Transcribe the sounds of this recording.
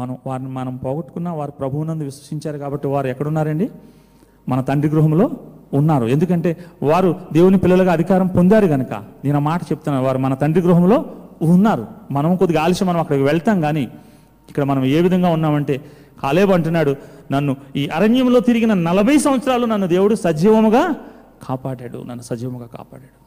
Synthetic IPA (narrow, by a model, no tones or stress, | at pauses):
mɐnɐmʋaːɾnimɐnɐmpɔːɡɐʈu̥kunːaːʋaːɾupɾɐbʱuwunɐnd̪uʋisʋɐʂiɲt͡ʃaːɾukaːbɐʈːiʋaːɾuɛkːɐɽunːaːɾɐɳɖi | mɐnɐt̪ɐɳɖɾiɡɾuɦɐmlo̞ːunːaːɾue̞nd̪ukɐɳʈe̞ːʋaːɾud̪e̞ːwunipilːɐlɐɡaːɐd̪ʱikaːɾɐmpond̪aːɾuɡɐnɐkɐ̰d̪iːnɐmaːʈɐt͡ʃeput̪unːaːɾuʋaːɾumɐnɐt̪ɐɳɖɾiɡɾuɦɐmlo̞ːunːaːɾṵmɐnɐmkod̪iɡaːliʃɐmɐnɐmɐkːɐɽɐʋɛɭɐt̪aːŋɡaːniː | ikːɐɽɐmɐnɐme̞ːʋid̪ʱɐŋɡaːunːaːmɐɳʈe̞ː | kaːleːbɐɳʈunːaːɽunɐnːuiːʔɐɾɐɲjɐmloːt̪iɾiɡinɐnɐlɐbʱɐjsɐmʋɐt̪sɐɾaːlunɐnːud̪e̞ːwuɽusɐd͡ʒiːʋɐmuɡaː | kʰaːpaːɽaːɽṵnɐnːusɐd͡ʒiːʋɐmuɡaːka̰ːpa̰ːɽaːɽu